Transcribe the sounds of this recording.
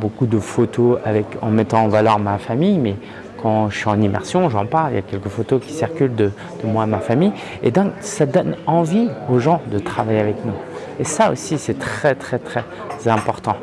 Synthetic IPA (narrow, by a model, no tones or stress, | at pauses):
bokud̪əfot̪oavɛkɑ̰̃mɛt̪ɑ̃ːvalœʁamafamijmɛ | kɑ̃ʒəʃyɑ̃nimɛ̰ʁsjɔ̃ʒɑ̃paʁljakʲɛlkəfot̪okʲi̥siʁkʲyld̪ə | d̪̥əmwamafamij | ḛd̪ɔ̃ksad̪ɔnɑ̃vioʒɑ̃d̪ət̪χavajeavɛknu | esao̰sisɛt̪χɛt̪χɛt̪χɛ | zɛ̃pɔʁt̪ɑ̰̃